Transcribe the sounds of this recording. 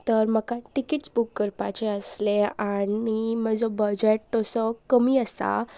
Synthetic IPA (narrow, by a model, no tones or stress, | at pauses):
t̪əɾməkaʈikiʈsbukːəɾpat͡ɕeəsleaniməd͡zɔbəd͡ʑeʈ̚t̪ɔsəkəmiːəsa̰